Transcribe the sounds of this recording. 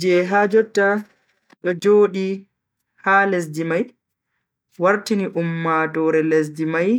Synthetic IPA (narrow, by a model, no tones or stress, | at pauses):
d͡ʒɛɦaːd͡ʒɔtːa | ɗɔd͡ʒoːɗi | haːles̬dimaj | waɾtiniʔumːadɔːɾɛles̬dimaj